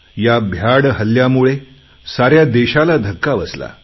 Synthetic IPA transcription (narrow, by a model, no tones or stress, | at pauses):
jabʱjaɽɦəljamuɭe | saɾjad̪eɕalad̪ʱəkːaʋəsla̰